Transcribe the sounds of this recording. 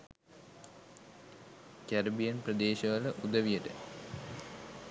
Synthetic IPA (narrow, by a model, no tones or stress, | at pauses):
kʲɐɾbijɐnprɐd̪eːɕɐʋɐlɐʔud̪ɐʋijɐʈɨ